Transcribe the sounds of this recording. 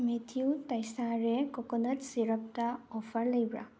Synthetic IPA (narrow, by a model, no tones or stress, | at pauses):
metʰiutajsaɹɛkɔkɔnətsiɾɔp̚taɔpʰaɹləjbɹa̰